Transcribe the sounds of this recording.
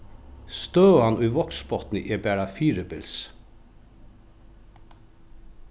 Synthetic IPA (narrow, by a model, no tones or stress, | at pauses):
st̪œːanʊjvɔksbɔt̪nɪ̰ʔɛbæːɾafiːɾəbɪls